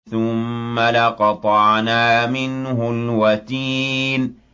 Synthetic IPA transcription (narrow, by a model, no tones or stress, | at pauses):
θʊmːalɪqɑt̪ˤɑʕnaːmɪnhʊlwat̪iːn